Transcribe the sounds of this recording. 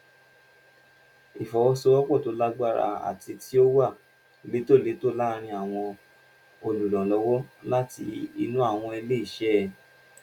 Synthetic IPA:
i˨fɔ˨wɔ˨˦sɔ˧wɔ˦k͡pɔ˦˨to˨˦la˦ɡ͡ba˦˨ɾa̰˧a̰˨ti˧tʰi˦o˦wa˦˨ | be˨˦to˦˨le˨˦to˦la˦ɾ̃ĩ˧a˨w̃ɔ̃˧ | o˧lu˨lɔ̃˨lɔ˧˦wɔ˦la˦ti˧i˧nũ˦a˦˨w̃ɔ̃˧ɛ˧le˦i˦˨ʃɛ˦˨

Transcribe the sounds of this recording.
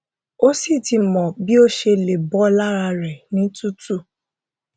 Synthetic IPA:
o˦si˦˨ti˧mɔ̃˨bi˦o˦ʃe˧le˨bɔ˨˦la˦ɾa˧ɾɛ˨nĩ˨˦tu˦tu˦˨

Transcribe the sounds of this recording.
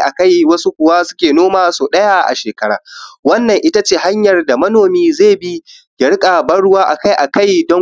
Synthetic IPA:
ʔa̰˨ka˦jwɐ˦su˦kʷʊ˨waː˦sʊ̥˦kʲeː˨noː˦maː˦soː˨ɗɐ˦ja˦ʔa̰˨ʃeː˨kɐ˦ɽa̰ː˨wɐ˦nːɐ˨ŋʔɪ˦ta˦t͡ʃeː˦˨ɦa˦ɲjɐ˨rda˨mɐ˦noː˨miː˦zeː˦˨bi˦ | ɡʲɐ˦ɽkʼa˨bɐ˦ɽʊ˦waː˦ʔa˨ka˦jʔa˨ka˦jdɔ˦

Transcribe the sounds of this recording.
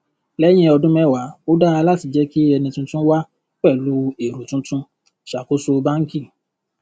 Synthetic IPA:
lɛ˦j̃ɛ̃˧ɔ˧dũ˦mɛ̃˦˨wa˨˦o˦da˦a˧la˦ti˨d͡ʒɛ˨˦ki˦ɛ˧nĩ˧tũ˦tũ˦wa˦ | k͡pɛ˦˨lu˨˦e˨ɾu˨tũ˨˦tũ˦ | ʃa˨ko˨˦so˧˦˧ba˦ŋ̩˦ki˦˨

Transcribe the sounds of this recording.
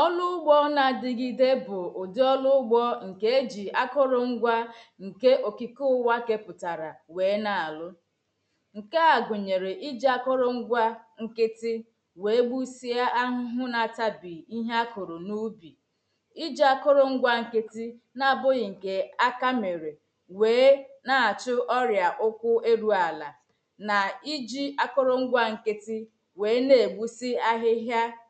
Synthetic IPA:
ɔ˦lʊ˦ʊ˦ɡ͡bɔ˦na˨dɪ˨ɡɪ˦de˦bʊ˨ʊ˨dɪ˦ɔ˦lʊ˦ɡ͡bɔ˦ŋ̩˨ke˦e˦d͡ʒi˨a˦kʊ˦ɾʊ˨ŋ̩˦ɡʷa˦ŋ̩˨ke˦ʔo˨ki˨kʊ˦wa˦ke˦pʊ˨ta˨ɾa˨we˨˦na˨a˨lʊ˦ | ŋ̩˨ke˦a˨ɡʷʊ˨ɲe˨ɾe˨ʔi˦d͡ʒi˦a˦kʊ˦ɾʊ˨ŋ͡m̩˦ɡʷa˦ŋ̩˨kɪ˦tɪ˦ | we˨e˦ɡ͡bu˦si˦a˦ʔa˦ɦʊ˦ɦʊ˦na˨ta˦bi˨i˦ɦe˦a˦ko˨ɾo˨nu˦bi˨ | i˦d͡ʒi˦a˦kʊ˦ɾʊ˨ŋ̩˦ɡʷa˦ŋ̩˨ke˦ti˦ | na˦˨bʊ˦ɣɪ˨ŋ̩˨ke˨a˦ka˦me˨ɾe˨ | weː˨˦na˨a˨t͡ʃʊ˦ʔɔ˦ɾja˨ʔʊ˦kʷʊ˦e˦ɾu˦a˨la˨ | na˨i˦d͡ʒi˦a˦kʊ˦ɾʊ˦ŋ̩˦ɡʷa˦ŋ̩˨ke˦tɪ˦ | weː˨˦ne˨e˨ɡ͡bu˦si˦a˦ɦɪ˦ɦja˦

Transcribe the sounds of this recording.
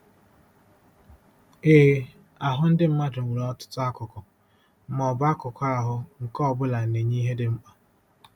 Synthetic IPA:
eː˦˨˦ | a˨ɦʊ˦n̩˦dɪ˦m̩˦ma˦dʊ˨wu˨ɾɔ˦tʊ̥˦tʊ˦a˦kʊ˨kʊ˨˦ | mɔ˨ba˦kʊ˨kʊ˦a˦ɦʊ˦ŋ̩˨kɔ˦˨bʊ˦la˨n̩˨ne˨ɲi˦ɦe˦dɪ˦m̩˦k͡pa˦

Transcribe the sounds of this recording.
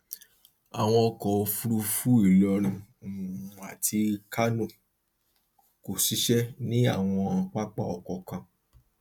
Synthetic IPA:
a̰˨w̃ɔ̃˧ɔ˧kɔ˨o˧fu˦ɾu˧fu˦i˦˨lɔ˧ɾ̃ĩ˧˨ | a˨tʰi˧ka˦nũ˦˨ | ko˨ʃi˨˦ʃɛ˦nĩ˦a˦˨w̃ɔ̃˧ã˧k͡pa˦k͡pa̰˦˨ɔ˨kɔ˨kã˧

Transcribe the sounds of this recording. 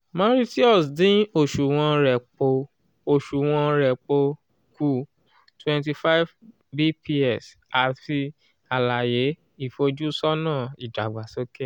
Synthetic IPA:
mã˦ɾi˦ti˦ɔ˦˨sdĩ˨˦o˦˨ʃu˨w̃ɔ̃˧ɾɛ˨k͡po˧ | o˨ʃu˨w̃ɔ̃˧ɾɛ˨k͡po˧ | ku˦ | twɛ̃˨nti˧fa˦jv | bi˦pi˦ɛ˦˨s | a˨ti˧ | a˨la˨je˨˦ | i˦˨fo˧d͡ʒu˦sɔ˦nãː˦˨i˨da˨ɡ͡ba˨so˦ke˦

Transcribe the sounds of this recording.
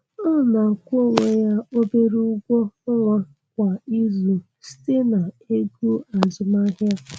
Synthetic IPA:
ɔ˦˨na˨ŋ̩˨kʷo˦˨ŋʷe˦ja˦o˦be˦ɾu˦ʊ˦ɡʷo˦ʊ˦ŋʷa˦ | kʷa˨i˦zu˨ | si̥˦te˦na˨ | e˦ɡu˦a˨zʊ˨ma˦ɦja˦

